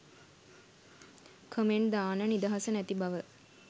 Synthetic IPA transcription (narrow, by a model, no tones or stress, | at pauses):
kʰəmeɳd̪aːnənid̪aɦasənæt̪ibaʋə